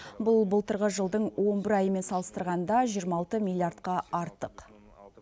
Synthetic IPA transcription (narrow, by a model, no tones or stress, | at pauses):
bʊlˠbəlˠt̪əɾʁəʒəlˠd̪əɴwʔo̞nbɪɾɑjəme̞nsɑlˠəst̪əɾʁɑnd̪ɑʒijəɾmɑlˠt̪əmilˠjart̪̚qɑɑɾt̪əq